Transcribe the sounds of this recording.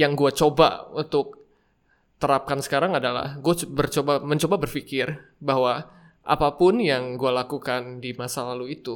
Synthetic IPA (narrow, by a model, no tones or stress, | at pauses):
jaŋɡuat͡ʃoba̰unt̪ʊk̚ | t̪əɾap̚kansə̥kaɾaŋadala̰hɡuabərt͡ʃobaməɲt͡ʃobabərfikɪr | baɦwa | ʔa̰papʊnjaŋɡualakukandimasalaluit̪u